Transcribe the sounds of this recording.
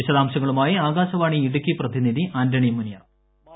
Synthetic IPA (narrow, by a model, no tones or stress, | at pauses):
iɕɐðaːmɕɐŋːɐɭumaːjiaːɡaːɕɐʋaːɳiiɽukʲːiprɐðiniðiʔaːndɐɳijɐmːunija